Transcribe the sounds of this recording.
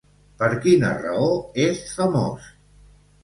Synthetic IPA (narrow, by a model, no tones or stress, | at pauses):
pəɾkinə̰rəoesfəmo̰s